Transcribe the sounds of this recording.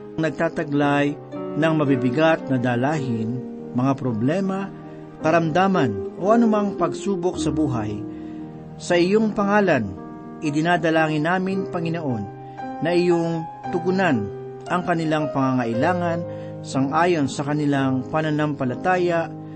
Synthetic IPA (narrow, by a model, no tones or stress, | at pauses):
ŋnɐɡ̚t̪aːt̪ɐɡlaj | nɐŋmɐbibɪɡat̪̚nɐd̪aːlaːɦɪn | mɐŋapɾoblɛːma | kɐɾɐmd̪aːmɐnʔo̞ʔɐnʊmaŋpɐɡsuːbok̚sɐbuːɦaj | sɐʔɪjoŋpɐŋaːlan | ʔɪd̪ɪnaːd̪ɐlaːŋɪnːaːmɪnpɐŋɪnoʔo̞nː | ɐʔɪjoŋ | t̪ʊɡʊnan | ʔɐŋkɐnɪlaŋpɐŋaŋɐʔɪlaːŋɐn | sɐŋʔaːjo̞nsɐkɐnɪlaŋpɐnɐnampɐlɐt̪aːjaʔ